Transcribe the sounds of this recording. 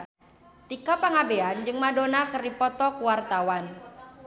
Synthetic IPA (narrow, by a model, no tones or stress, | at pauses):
t̪ikapaŋabeand͡ʒɨŋmadonakərdipɔt̪ɔkuwart̪awan